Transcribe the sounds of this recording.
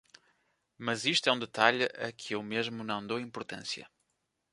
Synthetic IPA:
mɐziʃt̪wɛũd̪ɨt̪aʎɐ̰kʰɨewmeʒmunɐ̃w̃d̪owĩmpuɾt̪ɐ̰̃sjɐ̰

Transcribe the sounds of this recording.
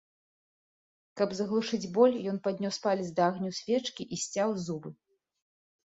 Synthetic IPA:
kɐbzɐɣlˠuʂɨd͡zʲbɔlʲjɔnpad̪̚ʲnʲɔspalʲizʲd̪aaɣnʲusʲvʲɛt͡ʂkʲiʔisʲt͡sʲawzubɨ

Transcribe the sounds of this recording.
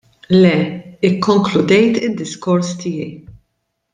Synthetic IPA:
lɛɪkːɔŋklʊd̪ɛjt̪ɪd̪ːɪskɔɾst̪ɪjɛj

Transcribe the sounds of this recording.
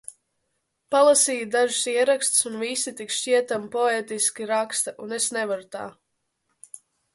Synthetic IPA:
palˠasiːjd̪aʒu̥siɛɾakst̪sunvisit̪ikʃt͡ʃiɛt̪ampɔeːt̪iskʲiɾakst̪aʔunesnɛvaɾut̪a̰ː

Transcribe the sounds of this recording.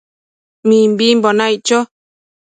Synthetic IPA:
mĩmbimbonajt͡ʃo

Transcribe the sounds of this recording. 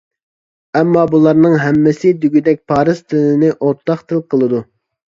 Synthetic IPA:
ɛmːɑbulˠɑɾnɨŋɦɛmːɪsɪd̪yɡʲyd̪ɛk̚ʲpʰɑːɾɨzt̪ʰɪlɪnɪʔoɾt̪ːɑχt̪ʰɨlˠqʰəlˠɨd̪u

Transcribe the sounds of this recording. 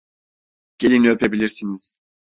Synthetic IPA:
ɟ̥e̞lʲinyøpʰe̞bilʲiɾsiniz̥

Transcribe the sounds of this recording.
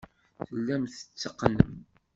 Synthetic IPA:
θəlːæmθə̥t͡sːəqːnə̰m

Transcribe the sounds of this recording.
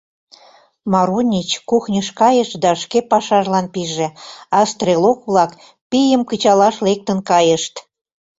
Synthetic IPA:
mɑɾunʲit͡ɕkuxnʲəʃkɑjəʃd̪ɑʃkepɑʃɑʒlɑnpiʒĕɑst̪relokβlɑk | pijəmkət͡ɕɑlɑʃlek̚t̪ənkɑjəʃt̪

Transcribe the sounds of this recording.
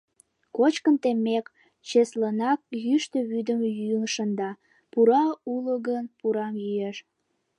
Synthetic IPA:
kot͡ɕkənt̪emːek | t͡ɕeslənɑk̚jyʃt̪əβyd̪əmjyŋʃənd̪ɑ | puɾɑuləɣənpuɾɑmjyeʃ

